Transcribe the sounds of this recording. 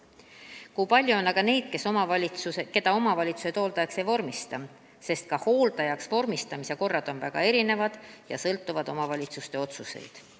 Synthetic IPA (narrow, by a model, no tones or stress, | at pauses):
kujpɑlʲjuonːɑɡ̥ɑne̞jd̪̥ke̞so̞mɑvɑlʲit̪suseke̞d̪̥ɑo̞mɑvɑlʲit̪su̥set̪o̞ːlt̪ɑjɑkse̞jvo̞rmist̪ɑ | se̞st̪̚kɑho̞ːlt̪ɑjɑksvo̞rmist̪ɑmise̞ko̞rːɑd̪̥o̞nvæɡ̥ɑ̰e̞ɾine̞vɑd̪̥jɑ̰sɤlt̪ːˑuvɑd̪̥o̞mɑvɑlʲit̪sust̪e̞o̞t̪suse̞̰jd̪̥